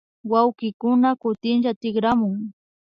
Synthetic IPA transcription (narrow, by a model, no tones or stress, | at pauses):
wawkɪkʊnakʊt̪ɪnʃat̪ɪɡɾamʊŋ